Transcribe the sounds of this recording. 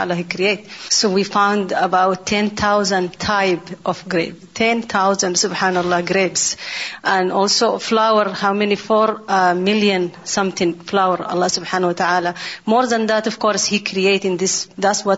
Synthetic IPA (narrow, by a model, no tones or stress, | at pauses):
a̰laɦikɾieɪtsowifãʊ̃ndəbaʊtʰːɛ̃nθʰawzə̃ndt̪ʰaɪbʔɔfɡɾḛːbt̪ʰɛ̃nt̪ʰawzãndsʊbħaːnɑlˠˤːɑːɡɾebz̥ʔãnɔlsoflawəɾhawmɛnifoɾmɪljə̃nsʌ̃mθɪ̃ŋflawəɾɑ̰lˠˤːɑsʊbħaːnwat̪aʕaːlamɔɾðãnðat̪ɔv̥kɔːɾshikʰɾieɪtɪ̃nðɪsðatswɔt